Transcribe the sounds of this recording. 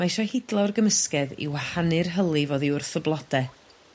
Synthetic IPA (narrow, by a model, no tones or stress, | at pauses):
maɪʃɔhɪdlˠɔrɡəməskɛðḭwahanɨrɦəlˠivoːðiʊrθəblˠɔd̥ɛ